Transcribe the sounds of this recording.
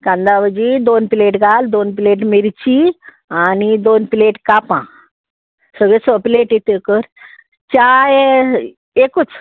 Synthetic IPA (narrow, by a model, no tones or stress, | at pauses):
kãnd̪aʋəd͡ʑid̪onpileʈɡʱald̪onpileʈmiɾt͡ɕi | anid̪onpileʈkapã̰ | səɡɭesəpileʈit̪ekəɾ | t͡ɕae | ekut͡s